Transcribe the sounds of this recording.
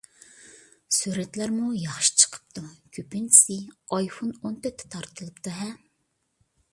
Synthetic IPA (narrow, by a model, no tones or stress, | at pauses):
syɾɛt̪læɾmujɑχʃt͡ʃʰə̥qʰə̥pt̪ʰukʲʰypinsiɑjfonont̪ʰøt̪ʰːɛ̥t̪ʰːɑɾt̪ʰɨlˠɨpt̪ʰɨɦɛ